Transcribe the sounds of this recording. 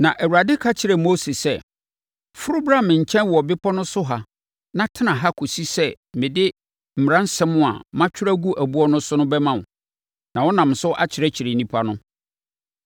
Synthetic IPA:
nã˨ʔæ˨wu˨ɾa˨dɪ˦kʰa˦t͡ɕʰɪ˨ɾɛ˨mo˦se˨sɛ˦ | fʊ˦ɾʊ˦bɾa˦mɪ̃˨ɲ̩˨t͡ɕʰɛ̃˦nwɔ˨bɪ˦pʰɔ˦nʊ̃˦sʊ˦ɦa˨ | nã˦tʰɪ˦nã˨ɦa˦kʰo˨si˦sɛ˦ | mɪ̃˨dɪ˦ | m̩˨m˨ɾã˦n̩˦sɛ̃˦mʊ̃˦a̰˨mã˦t͡ɕʰᶣʊ˦ɾæ˦ɡu˦ʔæ˨bu˦ɔ˦nʊ̃˦sʊ˦nʊ̃˦bɛ˦mã˨ | nã˨wɔ˦nã˨m˨sʊ˦ʔa˦t͡ɕʰɪ˨ɾɛ˦t͡ɕʰɪ˨ɾe˨nĩ˦pʰa˦nʊ̃˦

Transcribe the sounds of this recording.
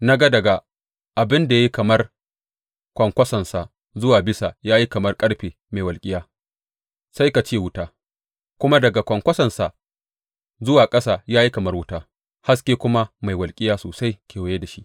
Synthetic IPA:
na˦ɡa˦dɐ˨ɡa˨ | ʔa˨bɪ˦nda˨ja˦i˦kɐ˨mɐ˦r | kʷɐ˨ŋkʷɐ˦sɐ˨nsa˨ | zʊ˦waː˨bɪ˦sa˨jaː˦ji˦kɐ˨mɐ˦rkʼɐ˦ɽɸiː˨ | ma˨jwɐ˨lkʲʼɪ˦jaː˦ | sa˦jka˨t͡ʃeː˦wʊ˦taː˦ | kʷʊ˦ma˦dɐ˨ɡa˨kʷɐ˨ŋkʷɐ˦sɐ˨nsa˨ | zʊ˦waː˨kʼɐ˦saː˨jaː˦ji˦kɐ˨mɐ˦rwʊ˦taː˦ | ha˦skʲeː˦kʷʊ˦ma˦ma˨jwɐ˨lkʲʼɪ˦jaː˦soː˨sa˦jkʲeː˨wa˨je˦da˨ʃi˦ʔ

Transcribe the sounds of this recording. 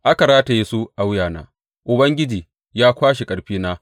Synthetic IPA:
ʔa˦ka˨ɾaː˦ta˨ji˦su˦ʔa˦wjaː˨na̰ː˨˦ | ʔʊ˨bɐ˦ŋɡʲɪ˦d͡ʒiː˨ | jaː˦kʷaː˦ʃe˨kʼɐ˨ɽɸiː˦naː˦

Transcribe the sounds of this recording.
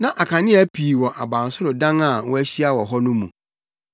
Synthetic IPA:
nã˦ʔa˨kʰã˨nɪ̃˦æ˦pʰi˨wɔ˨ʔa˨bã˨n˨sʊ˦ɾʊ˨dã˦ŋa˨wɔ˦æ˦ɕi˦a˦wɔ˨ɦɔ˦nʊ̃˦mṵ̃˨

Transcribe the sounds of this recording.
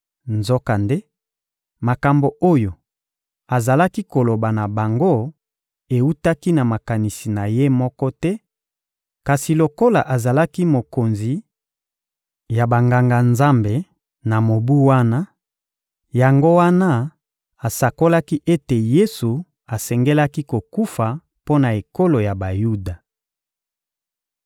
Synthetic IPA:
nzo˦ka˨nde˦ | ma˨ka˨mbo˨ʔo˦jo˨ | a˨za˨la˦ki˦ko˨lo˨ba˨na˨ba˨ŋɡo˦ | e˨u˦ta˦ki˦na˨ma˨ka˨ni˨si˨na˨je˦mɔ˦kɔ˦tɛ˦ | ka˨si˨lo˨ko˦la̰˨ʔa˨za˨la˦ki˦mo˨ko˨nzi˨ | ja˨ba˨ŋɡa˨ŋɡa˨nza˦mbe˨ | na˨mo˨bu˦wa˦na˦ | ja˨ŋɡo˦wa˦na˦ | a˨sa˨ko˦la˦ki˦ʔe˦te˨je˦su˨ | a˨sɛ˨ŋɡe˦la˦ki˦ko˨ku˦fa˨ | po˦na˨e˨ko˦lo˨ja˨ba˨ju˦da˨

